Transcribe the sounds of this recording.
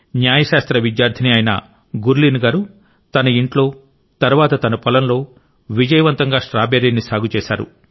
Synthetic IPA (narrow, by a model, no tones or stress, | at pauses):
njaːjɐʃaːst̪ɾɐʋid̪jaːɾd̪ʰɐniɐjɐnɐ̰ | ɡuɾliːnɡaːɾu | t̪ɐnɐiɳʈlo̞ː | t̪ɐɾʋaːt̪ɐt̪ɐnɐpɔlɐnlo̞ː | ʋid͡ʒɐjɐʋɐnt̪ɐŋɡaːʂɾaːbeːɾiːnːisaːɡut͡ʃɛːʃa̰ːɾṵ